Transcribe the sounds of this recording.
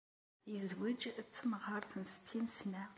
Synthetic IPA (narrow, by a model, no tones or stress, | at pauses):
izwid͡ʒt͡sːəmʁəɾˤθənst̪ʰːinsnæ